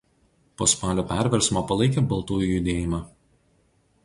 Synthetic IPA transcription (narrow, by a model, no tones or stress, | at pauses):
poːspɑːlʲoːpʲæˑɾʲʋʲɛɾʲsmoːpɐlˠɐɪkʲeːbɐlˠt̪uːjujʊd̪ʲeːjɪmɑ